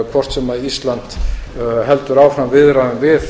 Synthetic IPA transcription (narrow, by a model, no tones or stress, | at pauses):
kʰvɔr̥t̪sɛmaðist̪lant̪ | ɦɛlt̪ʏɾawfɾamvɪðɾaðʏmvɪð